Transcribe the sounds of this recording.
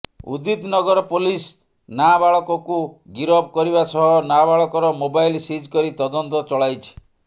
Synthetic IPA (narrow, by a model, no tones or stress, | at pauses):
ṵd̪it̪nɔɡɔɾɔpolis | nabaɭɔkɔkuɡiɾɔb̚kɔɾiβasɔɦɔnabaɭɔkɔɾɔmobajlsid͡ʒkɔɾit̪ɔd̪ɔnt̪ɔt͡ʃɔɭajt͡ʃʰi̥